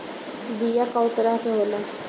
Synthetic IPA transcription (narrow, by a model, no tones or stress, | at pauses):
bijakaʊt̪ɾakeɦoːla